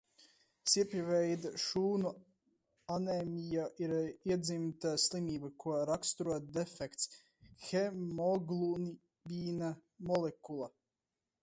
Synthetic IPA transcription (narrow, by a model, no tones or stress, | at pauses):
siɛpivɛjd̪aʃuːnu | anɛmʲijaʔiɾiɛd̪zimt̪aslˠimiːbakʰuɔɾakst̪uɾuɔt̪̚d̪efɛkt̪s | xemɔɡlˠun | biːna | mɔlekulˠa